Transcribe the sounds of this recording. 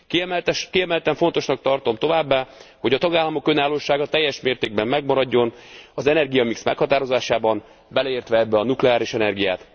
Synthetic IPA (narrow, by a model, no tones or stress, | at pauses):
kit̪ʃkiɛmɛlt̪ɛɱfo̞nt̪o̞ʃnɒk̚t̪ɒrt̪o̞mt̪o̞vaːbːaːho̞ɟɒt̪ɒɡaːlːɒmo̞kø̞naːlːoːʃaːɡɒt̪ɛjːɛʃmeːrt̪eːɡ̚bɛmːɛɡmɒɾɒɟːo̞nɒzɛnɛrɡijɒmiksmɛ̰khɒt̪aːɾo̞zaːʃaːbɒn | bɛlɛeːrt̪ʋɛɛbːɛɒnuklɛaːɾiʃɛnɛrɡija̰ːt̪